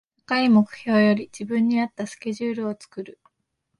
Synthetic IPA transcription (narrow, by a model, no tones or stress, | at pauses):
akaimo̞kɯ̟̥ço̞ːjo̞ɾʲid͡ʑibɯ̟̃ɲ̟ːiat̪ːasɨ̥kʲe̞ʑɨːɾɯ̟o̞t͡sɨ̥kɯ̟ɾɯ̟